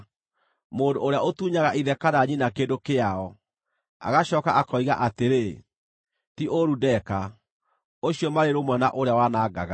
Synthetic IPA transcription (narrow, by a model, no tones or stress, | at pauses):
moːndoːɾeaotuːɲaɣaʔiðɛkaɾaɲinakeːndokeaɔ | a̰ɣaɕɔːkaʔakɔiɣa̰ʔateɾe | tioɾudɛka | oɕjɔmaɾeɾomwɛna̰ʔoɾeawanaːɡaɣa